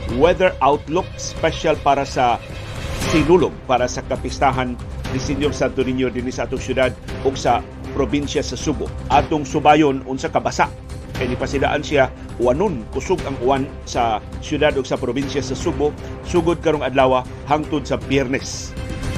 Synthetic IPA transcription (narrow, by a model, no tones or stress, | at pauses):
wɛðɛɹʔawt̪lʊk̚spɛʃalpaːɾasa | sɪnulʊɡ̚paːɾasakapɪst̪aɦand̪ɪsɪnjoɾsad̪̚t̪ʊnɪɲjod̪ɪnisaʔaːt̪ʊŋsjʊd̪ad̪̚ʔʊɡsa | pɾobɪnsjasɐsubʊ̰ʔaːt̪ʊŋsʊbaːjʊnʔʊnsakɐbasaʔ | kajnɪpasɪda̰ʔansia | ʔʊanʊnkʊsʊɡaŋʊan | sasjʊd̪ad̪ʊɡsapɾobinsjasɐsuɡʊsuɡʊd̪̚kɐɾoŋɐd̪laːwa | haŋt̪ʊd̪̚sɐbjɛɾnɛs